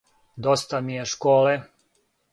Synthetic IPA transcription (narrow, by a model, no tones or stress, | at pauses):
d̪ost̪amijeʃkoːle